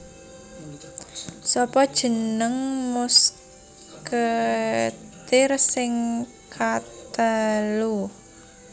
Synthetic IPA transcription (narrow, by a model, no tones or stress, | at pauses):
sɔpɔd̥ʒ̥ə̤nəŋmʊs | kə | t̪ɪrsɪŋ | kʰat̪əlu